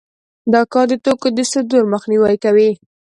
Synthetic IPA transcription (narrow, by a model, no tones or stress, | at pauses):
d̪ɑkɑd̪ət̪okod̪əsɪd̪uɾməxniwajkawi